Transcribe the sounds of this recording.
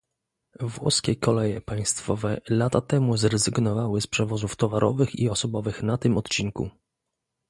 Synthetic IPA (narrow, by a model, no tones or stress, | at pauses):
vwɔ̰skʲɛkɔlɛjɛpaj̃st̪fɔvɛlat̪at̪ɛmuzɾɛzɘɡnɔvawɘspʂɛvɔzuft̪ɔvaɾʔɔ̰vɘxḭɔsɔbɔvɘxnat̪ɘmɔt̪t͡ɕiŋkṵ